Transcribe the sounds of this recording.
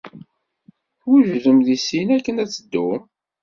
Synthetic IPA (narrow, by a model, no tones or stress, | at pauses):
ʊɾʒuðəmðisinækːənæt͡sːəd̪ːu